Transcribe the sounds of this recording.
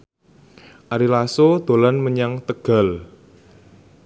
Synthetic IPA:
ʔaɾilasod̪̥o̤lanməɲaŋt̪əɡ̥a̤l

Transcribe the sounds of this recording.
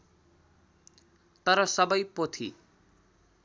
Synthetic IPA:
t̪ʌɾʌsʌbʌjpot̪ʰḭ

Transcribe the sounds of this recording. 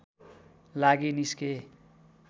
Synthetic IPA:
laɡiniske

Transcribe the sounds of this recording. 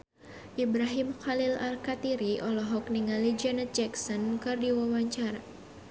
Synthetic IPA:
ʔibɾaɦimxalilalkat̪iɾiʔɔlɔɦɔk̚niŋalid͡ʒɛnɛt̪̚d͡ʒɛksɔnkɨrdiwawaɲt͡ʃaɾa

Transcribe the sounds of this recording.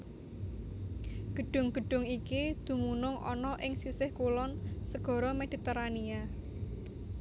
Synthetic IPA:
ɡ̥ə̤ɖ̥ʊ̤ŋɡ̥ə̤ɖ̥ʊ̤ŋikid̪̥ṳmunʊŋʔɔ̰nɔʔɪŋsisɪhkulɔnsəɡ̥ɔ̤ɾɔmed̪̥i̤t̪eɾania

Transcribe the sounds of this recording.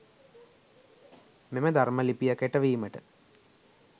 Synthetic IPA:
meməd̪arməlipijakeʈəʋiːməʈə

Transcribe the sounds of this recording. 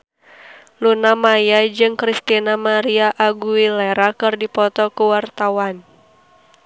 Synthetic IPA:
lunamajad͡ʒɨŋkɾist̪inamaɾiaʔaɡuilɛɾakɨrdipɔt̪ɔkuwart̪awan

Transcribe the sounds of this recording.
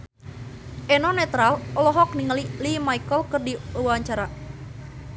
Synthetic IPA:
ʔenɔnɛt̪ɾalɔlɔɦɔk̚niŋəlilimaikəlkərdiuwaɲt͡ʃaɾa

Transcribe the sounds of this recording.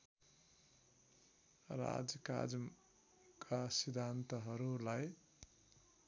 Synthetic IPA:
ɾa̰d͡zjka̰d͡zʌm | kʰasid̪ʱant̪ʌɦʌɾulaj

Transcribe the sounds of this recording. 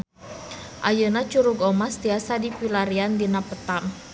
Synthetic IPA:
ʔajənat͡ʃuɾuɡɔmast̪iasadipilaɾiandinapət̪am

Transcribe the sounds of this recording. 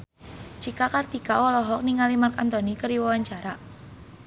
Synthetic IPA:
d͡ʒ̥ikakart̪ikawɔlɔɦɔk̚niŋalimarkant̪ɔnikəɾiwawaɲt͡ʃaɾa

